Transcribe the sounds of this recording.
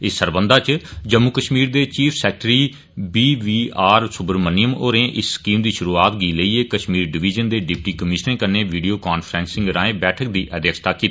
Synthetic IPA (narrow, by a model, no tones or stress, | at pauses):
ɪsːəɾbənd̪aːt͡ʃd͡ʒəmːukəʃmiːɾd̪eːt͡ʃiːpʰsɛːk̚ʈɾiː | biːʋiːaːɾsʊbəɾmənijəmoːɾẽːʔɪsːkiːmd̪iːʃʊɾuːaːt̪ɡiːləiːeːkəʃmiːɾɖɪʋiːd͡ʒənd̪eːɖɪp̚ʈiːkəmɪʃnẽːkəɾnẽːʋiːɖijoːkaːnpʰɾɛ̃ːnsɪ̃ŋɡɾãːẽːbɛːʈʰək̚d̪iːʔəd̪jəkst̪aːki